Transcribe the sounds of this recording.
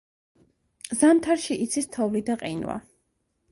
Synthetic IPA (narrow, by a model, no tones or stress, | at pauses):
zamt̪ʰaɾʃiʔiːt̪sʰist̪ʰɔvlid̪aqʼinwa̰